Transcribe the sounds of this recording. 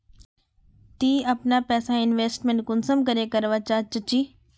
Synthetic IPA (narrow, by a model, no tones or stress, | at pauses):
t̪iːɐpnapɛːsaɪnʋeːsʈmẽɳʈ̚kʊnsəmkəɾekɐɾʋat͡ʃaːt͡ʃət͡ʃiː